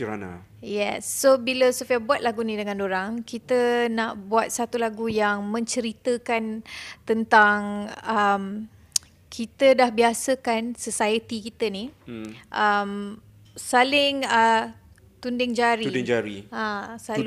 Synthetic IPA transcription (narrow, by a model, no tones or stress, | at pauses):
əɾana̰ | jɛsːobiləsofiabuat̪̚laɡunĩdəŋãndoɾaŋkit̪ənaʔbuat̪̚sat̪ulaɡujaŋmə̃ɲt͡ʃəɾit̪əkant̪ənt̪aŋəm | kʰit̪ədahbiasəkansəsaət̪ikit̪əniʔəm | salɪŋə | t̪undɪŋd͡ʒaɾiɪŋd͡ʒaɾḭãsa